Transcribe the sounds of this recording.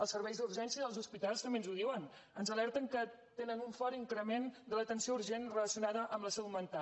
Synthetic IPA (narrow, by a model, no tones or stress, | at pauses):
əlˠsəɾβɛjzd̪uɾʒɛnsiəðəlˠzuspit̪alˠst̪əmbenzuðiwən | ənzəlɛɾt̪əŋkə | t̪enənuɱfɔɾiŋkɾəmend̪ələt̪ənsiouɾʒenrələsiunaðəʔəmbləsɛwmənt̪a